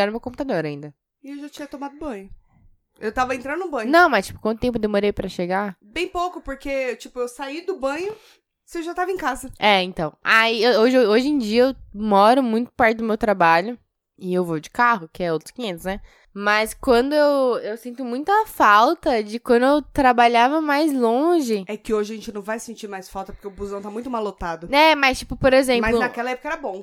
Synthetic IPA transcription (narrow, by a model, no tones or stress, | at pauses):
anʊmewkõp̬ut̪ad̪oɾɐĩnd̪ɐ | ɪewʒat͡ʃĩɲɐt̪omad̪ʊbɐ̃ɲʊ | ewt̪avɐẽnt̪ɾɐ̃nd̪ʊʊbɐ̃ɲnʊɐ̃w̃mɐst͡ʃi̥pʊkwɐ̃nt̪ʊt̪ẽpʊd̪emoɾejpɾɐʃeɡabẽj̃powkʊpoɾket͡ʃipʊewsaid̪ʊbɐ̃ɲʊ | sɪewʒat̪avɐẽkazɐɛẽt̪ɐ̃w̃aioʒɪoʒẽj̃d͡ʒiɐewmɔɾʊmũj̃t̪ʊ̥paɾt͡ʃɪd̪ʊmewt̪ɾabaʎʊ | ɪewvod͡ʒɪ̥kaɦʊkɪɛowt̪ɾʊ̥skĩẽnt̪ʊsnɛ | mɐskwɐ̃nd̪ʊewewsĩnt̪ʊmũj̃t̪ʊɐfawt̪ɐd͡ʒɪkwɐ̃nd̪ʊewt̪ɾabaʎavɐmajzlõʒɪɛkɪoʒɪɐaʒẽt͡ʃɪnɐ̃w̃vajsẽnt͡ʃiɾmajsfawˠt̪ɐpɾkeʊbuzɐ̃w̃t̪amũj̃t̪ʊmalot̪ad̪ʊɛmɐst͡ʃi̥pʊpoɾezẽmɐpzlʊnakɛlɐɛpo̥kɐɛɾɐbõ